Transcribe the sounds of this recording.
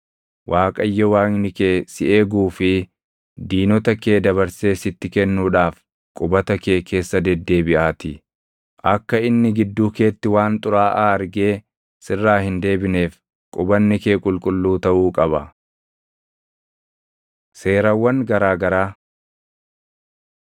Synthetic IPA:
wʔaːkʼɐjːɛwaːŋnɪkeːsɪʔeːɡuːfɪ | d̪iːnɔt̪ɐkeːd̪ɐβɐɾse̞ːsɪt̪ːɪkɛnːuːᶑaːf | kʼʊbɐt̪ɐke̞ːkʰe̞ːsːɐd̪ɛd̪ːe̞ːbɪʔaːt̪ɪ | ʔɐkːɐɪnːɪɡɪd̪ːuːke̞ːt̪ːɪwaːnt̪ʼʊɾaːʔaːɐɾɡeː | sɪrːaːhɪnd̪e̞ːbɪne̞ːf | kʼʊbɐnːɪkeːkʼʊlkʼʊlːuːt̪ɐʔuːkʼɐbɐ | se̞ːɾɐwːɐŋɡɐɾaːɡɐɾaː

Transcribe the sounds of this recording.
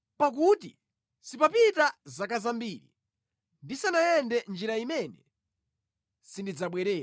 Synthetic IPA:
pak̬ut̬i | sipapitazakazambiːɾḭ | ndisanajɛndɛnd͡ʒiɾaimɛnɛ | sindid͡zaɓwɛɾɛːɾa

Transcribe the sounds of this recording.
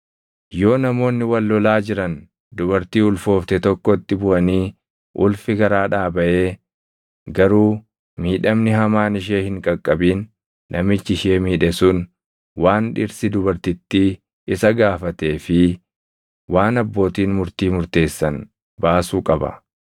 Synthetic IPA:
jo̞ːnɐmo̞ːnːɪwɐlːɔlaːd͡ʒɪɾɐn | d̪ʊbɐɾt̪iːʊlfo̞ːft̪ɛt̪ɔkːɔɪt̪ːɪbʊʔɐniː | ʔʊlfɪɡɐɾaːᶑaːbɐʔeː | ɡɐɾuː | miːᶑɐmnɪɦɐmaːnɪʃ̬eːhɪŋkʼɐkʼːɐbiːnː | ʔɐmɪt͡ʃːɪʃeːmiːᶑɛsʊn | waːnᶑɪɾsɪd̪ʊbɐɾt̪ɪt̪ːɪ | ɪsɐɡaːfɐt̪e̞ːfɪ | waːnɐbːo̞ːt̪iːnmʊɾt̪iːmʊɾt̪e̞ːsːɐn | baːsuːkʼɐbɐ̰

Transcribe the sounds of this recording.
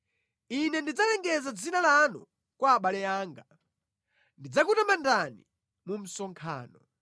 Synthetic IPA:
inɛndid͡zalɛŋɡɛzad͡zinalanɔ̰ | kwaːɓalɛaːŋɡa | ndid͡zakutamandani | mum̩sɔŋkʰa̰ːnɔ

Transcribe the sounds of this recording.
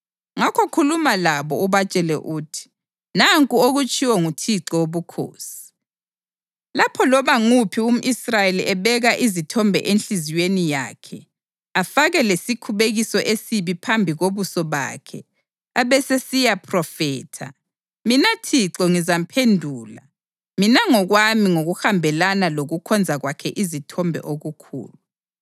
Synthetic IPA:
ŋakʰɔkʰulumalaβɔuβat͡ʃʼɛlɛ̰ʔutʰi̥ | naŋkʼuoɣut͡ʃʼiwɔŋutʰiǁɔwoβukʰo̰ːsi̥ | lapʰɔlɔβaŋupʰium̩ʔisrajeliʔɛβɛɣaʔizitʰɔmbʱɛ̰ʔenɬiziwenija̰ːkʰɛ | afaɣɛlesikʰuβeɣisɔʔesiβipʰambʱiɣoβusɔβa̰ːkʰɛ̰ | aβɛsesijapʰrɔfɛːtʰa̰ | minatʰiǁɔŋizam̩pʰendʱuːla | minaŋɔɣwamiŋoɣuxambʱɛlanaloɣukʰɔnd͡zʱaɣwakʰɛʔizitʰɔmbʱɛ̰ʔoɣukʰṵːlu

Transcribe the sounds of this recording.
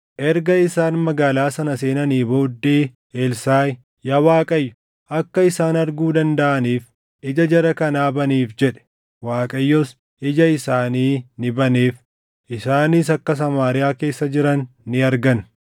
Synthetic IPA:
ʔɛɾɡɐɪsaːnmɐɡaːlaːsɐnɐse̞ːnɐniːbo̞ːd̪ːe̞ː | elsaːj | jɐwaːkʼɐjːʊ̥ | ʔɐkːɐɪsaːnɐɾɡuːd̪ɐnd̪ɐʔɐniːf | ɪd͡ʒɐd͡ʒɐɾɐkɐnaːbɐniːfd͡ʒɛᶑɛ̥ | waːkʼɐjːɔs | ʔɪd͡ʒɐɪsaːniːnɪbɐneːf | ʔɪsaːnis̬ɐkːɐs̬ɐmaːɾɪjaːke̞ːsːɐd͡ʒɪɾɐnːɪɐɾɡɐn

